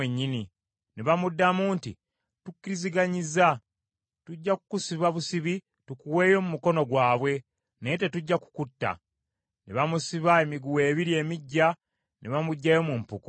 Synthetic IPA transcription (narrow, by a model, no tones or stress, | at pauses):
eɲːini | neβamudːamuːntḭ | tukːiɾiziɡaɲiza | tuɟːaku̥kusiβaβusiβi | tukuwe̞ːjo̞mumuko̞no̞ɡwaːβwe̞ | nejete̞tuɟːaku̥kutːa̰ | neβamusiβae̞miɡuwe̞ːβiɾie̞ːmiɟːa | nʔeβamuɟːajo̞mumpuku